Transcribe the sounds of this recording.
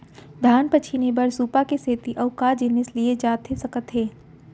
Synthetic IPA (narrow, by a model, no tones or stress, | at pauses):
d̪ʱaːnpət͡ʃʰinebəɾsuːpakeseːt̪iʔɔːkaːd͡ʒɪneslied͡ʒaːt̪ɦesɐkət̪ɦeː